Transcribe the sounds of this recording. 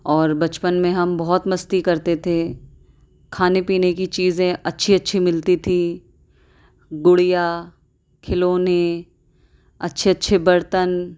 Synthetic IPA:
ɔːɾbɐt͡ʃpənmẽɦɐmbɔɦɔt̪mɐst̪ikɐɾt̪et̪ʰe | kʰaːnepiːnekit͡ʃiːzẽɐtːʃʰiɐtːʃʰimɪlt̪it̪ʰi | ɡʊɽija | kʰɪloːne | ɐtːʃʰeɐtːʃʰebɐɾt̪ən

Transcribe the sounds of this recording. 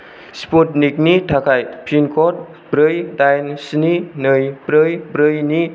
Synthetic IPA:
sput̚nik̚nitʰakʰajpʰinkʰɔt̚ | bɾɯjdajnsninɯjbɾɯjbɾɯjni

